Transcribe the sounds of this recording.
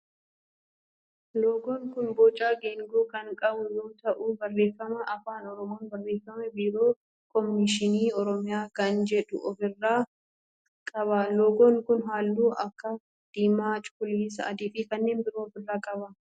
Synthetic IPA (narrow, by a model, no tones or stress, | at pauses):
loːɡoːŋkʊnboːt͡ʃʼaːɡeːŋɡoːkɐŋkʼɐbʊjoːt̪ɐʔubɐrːe̞ːfɐmɐʔɐfaːnɔɾɔmoːnbɐrːeːfɐmɛbiːɾo̞ː | kʰʼɔmnɪʃɪniːɔɾɔmɪjaːkɐnd͡ʒɛᶑʊ̰ɔfɪrːaː | kʼɐβɐloːɡoːŋkʊnɦaːlːuːʔɐkːɐ | d̪̥iːmaːt͡ʃʼʊ̥kʊliːs̬ɐ̰ɐd̪ɪːfiːkɐnːe̞ːnbɪɾoːfɪlːaːkʼɐbɐ